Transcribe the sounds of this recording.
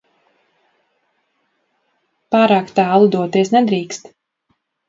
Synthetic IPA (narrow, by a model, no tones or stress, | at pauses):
paːɾaːkt̪æːlˠud̪uɔt̪iɛsnɛd̪ɾiːkst̪